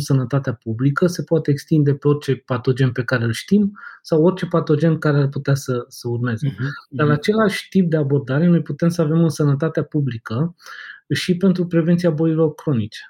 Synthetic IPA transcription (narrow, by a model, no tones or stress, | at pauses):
sənət̪at̪eapublikəse̞poat̪eːkst̪ind̪e̞pe̞o̞rt͡ʃe̞pat̪o̞d͡ʒe̞npe̞kaɾe̞ɨlʃt̪imsawo̞rt͡ʃe̞pat̪o̞d͡ʒe̞nkaɾearput̪easəsəurme̞zed̪aɾat͡ʃe̞laʃʲt̪ip̚d̪e̞abo̞rd̪aɾe̞nojput̪e̞msəave̞mɨnsənət̪at̪eapublikə | ʃipe̞nt̪ɾupɾe̞vent̪siabo̞jilo̞rkɾo̞nit͡ʃe̥